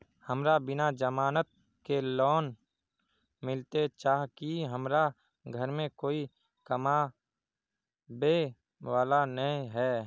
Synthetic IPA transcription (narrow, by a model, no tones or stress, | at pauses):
həmɾabɪnad͡ʒəmaːnət̪̚ | kelɔːn | mɪlt̪et͡ʃaːɦkiɦəmɾa | ɡʱəɾmẽkoːi | kəma | be | ʋaːlanəĩɦɛː